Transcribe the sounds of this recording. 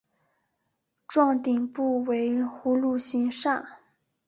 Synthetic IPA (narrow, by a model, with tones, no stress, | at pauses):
ʈ͡ʂwɑ˥˩ŋt̪i˨˩ŋpu˥˩we˧˥ɪxu˧˥lu˥˩ɕi˥nʂa˥˩n